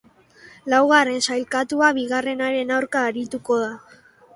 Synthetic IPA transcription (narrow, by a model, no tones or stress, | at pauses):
lawɣ̞are̞nsajlkat̪uaβiɣare̞naɾe̞nawɾkaːɾit̪uko̞ða